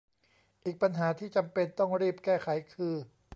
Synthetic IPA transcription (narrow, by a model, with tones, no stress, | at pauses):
ʔiː˨˩k̚pa˧nɦaː˩˦t̪ʰiː˥˩t͡ɕa˧mpe˧nt̪ɔ˥˩ŋɾiː˥˩p̚kɛː˥˩kʰa˩˦jkʰɯː˧